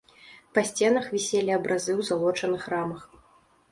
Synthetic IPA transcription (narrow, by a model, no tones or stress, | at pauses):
pɐsʲt͡sʲɛnɐxvʲisʲelʲiɐbɾʔazɨwzalˠɔt͡ʂɐnɨxramɐx